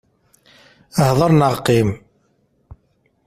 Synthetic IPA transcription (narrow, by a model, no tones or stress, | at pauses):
əhðˤəɾˤnəʁqːim